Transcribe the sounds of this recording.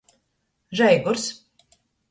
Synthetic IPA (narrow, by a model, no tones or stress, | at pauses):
ʒɛjɡuɾs